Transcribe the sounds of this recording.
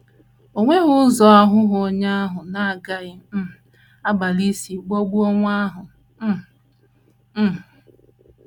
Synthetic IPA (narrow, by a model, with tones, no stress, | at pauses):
o˨ŋʷe˦ɣʊ˦zɔ˨˦a˦ɦʊ˦ɦʊo˦ɲa˦a˦ɦʊ˨na˨a˨ɡa˦ɪ˨m̩˦˨ | a˦ba˨li˦si˨ɡ͡bo˦ɡ͡bu˦o˦ŋʷ˦a˦ɦʊ˨˦˨